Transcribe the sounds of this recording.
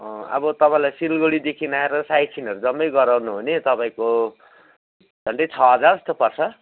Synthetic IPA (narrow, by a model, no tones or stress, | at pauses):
ʌ̃ʌ̰bʌt̪ʌpaĩlajsilɡoɽid̪ekʰinaeɾʌsajt͡sʰinɦʌɾud͡zʌmːʌjɡʌɾawnuɦonet̪ʌpaĩko | d͡zʱʌɳɖʌjt͡sʰʌɦʌd͡zarʌst̪ʌpʌrt͡sʰʌ